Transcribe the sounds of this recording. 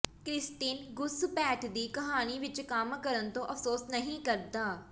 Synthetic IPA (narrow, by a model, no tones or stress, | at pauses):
kɾɪsʈiːnɡʊspɛːʈd̪iːkəɦaːniːʋɪt͡ʃkamkəɾənt̪õːʔəfʰsoːsnəɦĩːkəɾd̪aː